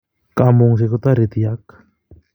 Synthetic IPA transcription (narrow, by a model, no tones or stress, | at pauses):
kamoŋs̬ekot̪aɾet̪iak